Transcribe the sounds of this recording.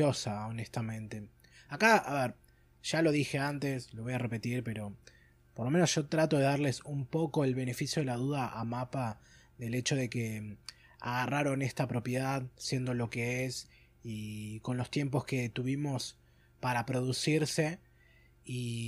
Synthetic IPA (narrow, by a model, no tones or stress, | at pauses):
o̞sao̞nest̪amẽ̞nt̪e̞ | akaaβeɾ | ʒ̥alo̞ð̞ixe̞ant̪e̞slo̞βo̞jare̞pe̞t̪iɾpe̞ɾo̞ | po̞ɾlo̞me̞nosʒ̥o̞t̪ɾat̪o̞ðe̞ðaɾle̞sumpo̞ko̞elβe̞ne̞fisjo̞ðelaðuð̞aʔamapa | ðe̞le̞t͡ʃo̞ð̞e̞ke̞ | a̰ɣaraɾo̞nest̪apɾo̞pje̞ðaðsje̞nd̪o̞lo̞ke̞es | iko̞nlo̞st̪je̞mpo̞ske̞t̪uβimo̞s | paɾapɾo̞ðusiɾse̞ | i